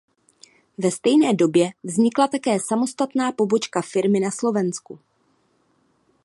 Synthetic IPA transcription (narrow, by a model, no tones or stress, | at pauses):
vɛst̪ɛjnɛːdo̞bjɛvzɲɪklat̪akɛːsamo̞st̪at̪naːpo̞bo̞t͡ʃkafɪɾmɪnaslo̞vɛnsku